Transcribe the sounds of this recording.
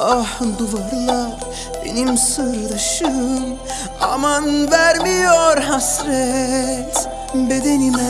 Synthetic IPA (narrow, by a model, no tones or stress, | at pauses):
ahd̪uvaɾlˠa | bḛnimsɯɾd̪aʃɯm | ɑ̰manvæɾmijoɾɦasɾɛt̪ | bed̪enimɛ